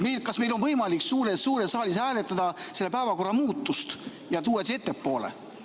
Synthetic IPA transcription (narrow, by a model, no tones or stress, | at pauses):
mejlkɑsme̞jlo̞nvɤjmɑliksuːɾesːuːɾesːɑːlishæːle̞t̪ːˑɑd̪̥ɑse̞lːe̞pæevɑko̞rːɑmuːt̪ːˑust̪ | jɑt̪uːes̬et̪ːepːo̞ːlḛ